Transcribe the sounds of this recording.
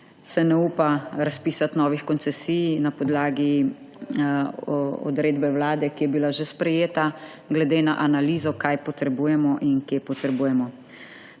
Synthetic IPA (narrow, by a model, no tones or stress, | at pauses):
sɛnɛupaɾaspiːsat̪nɔːʋixkɔnt̪sɛsiːjnapɔd̪laːɡi | ɔ̰d̪ɾeːd̪bɛwlaːd̪ɛkijɛbilaʒespɾɛjeːt̪a | ɡlɛd̪eːnaʔanaliːzɔkajpɔt̪ɾɛbuːjɛmɔʔinkjeːpɔt̪ɾɛbuːjɛmɔ